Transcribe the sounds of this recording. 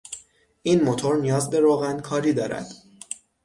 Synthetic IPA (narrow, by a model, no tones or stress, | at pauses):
ʔiːnmot̪ʰo̞ɾnijɒːzbe̞ɾoːɣænkʰɒːɾiːd̪ɒːɾæ̰d̪̥